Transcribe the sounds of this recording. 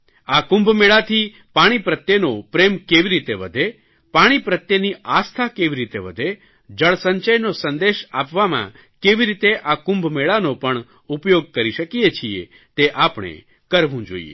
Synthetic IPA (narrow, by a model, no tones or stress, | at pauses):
akʊ̃mbʱmeɭat̪ʰi | paɽ̃ipɾət̪jenopɾemkeʋiɾit̪eʋəd̪ʱe | paɽ̃ipɾət̪jeniʔast̪ʰakeʋiɾit̪eʋəd̪ʱe | d͡ʒəɭsəɲt͡ʃəjnosənd̪eʃapʋamã̰ | keʋiɾit̪eʔakʊ̃mbʱmeɭanopəɳ | upjoɡ̚kəɾiʃəkijet͡ʃʰiḛ | t̪eʔapɽ̃ḛ | kəɾʋũd͡ʒo̰ḭḛ